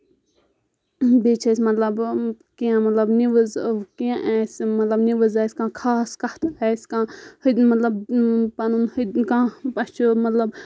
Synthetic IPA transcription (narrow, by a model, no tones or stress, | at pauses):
beːt͡ʃʰɐsmɐt̪lɐb | kiãːmɐt̪lɐbniʋəzkiãʔɛːsmɐt̪lɐbniʋəzaːsʲkãːkʰaːskɐht̪ɛːskãːhɨd̪mɐt̪lɐbpɐnunhɨd̪kãːpɐt͡ʃʰumɐt̪lɐb